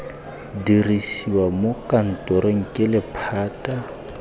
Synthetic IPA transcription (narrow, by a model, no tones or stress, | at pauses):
dirisiwamokʼan̩tʼɔɾeŋ̩kʼɪlɪpʰaːtʼa